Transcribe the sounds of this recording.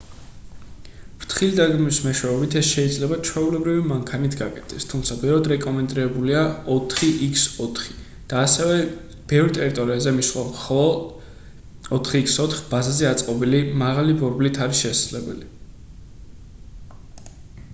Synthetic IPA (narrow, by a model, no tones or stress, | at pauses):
pʰt̪ʰχilid̪aɡmismɛʃwɛɛbit̪ʰɛsʃɛid̪zlɛbat͡ʃʰwɛulɛbɾivimaŋkʰanit̪ʰɡakʼɛt̪ʰɛst̪ʰumt̪sʰabɛɾad̪ɾɛkʼɔmɛnd̪ɾiɾɛbuliaɔt̪ʰχiʔikʰsɔt̪ʰχi̥ | d̪̥aːsɛvɛ | b̥ɛvɾit̪ʼɛɾit̪ʼɔɾiazɛmisχwamχɔlˠɔ | ɔt̪ʰχiːksɔt̪χb̥azazɛat̪sʼqʼɔbilimaʁalibɔɾblit̪ʰaɾisʃɛsad̪zlɛbɛ̰li